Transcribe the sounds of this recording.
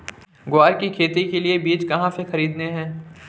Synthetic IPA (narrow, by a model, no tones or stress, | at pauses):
ɡʊaːɾkikʰeːt̪ikeliebiːt͡ʃkɐɦãsexɐɾiːd̪neɦɛ̃ː